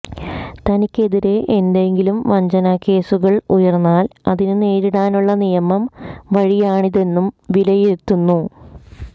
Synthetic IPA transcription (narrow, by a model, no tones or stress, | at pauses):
t̪ɐnikʲːe̞ðiɾe̞ʔend̪e̞ŋɡilumʋɐɲd͡ʑɐnɐkːe̞ːsuɣɐɭujɐrnːaːlɐðinɨneːɾiɽaːnuɭːɐnijɐmɐmʋɐɻijaːɳiðe̞nːumʋilɐjet̪ːunːu